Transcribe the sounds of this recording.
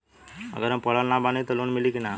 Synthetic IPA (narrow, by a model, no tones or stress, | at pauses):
ə̰ɡəɾɦə̃mpəɭalnabanĩt̪olonmilikina